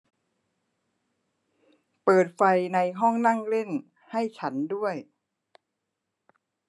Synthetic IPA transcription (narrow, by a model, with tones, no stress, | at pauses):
pɤː˨˩t̪̚fa˧jna˧jɦɔ˥˩ŋna˥˩ŋle˥˩n | ha˥˩jt͡ɕʰa˦˥ndu˥˩əj